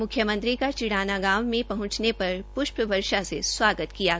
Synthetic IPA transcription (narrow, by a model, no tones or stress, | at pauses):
mʊkʰjəmə̃nt̪ɾikat͡ʃɪɽaːnaɡaːmːẽpɐɦʊ̃t͡ʃnepɐɾpʊʃpəʋɐɾʃaseswaːɡət̪kijaː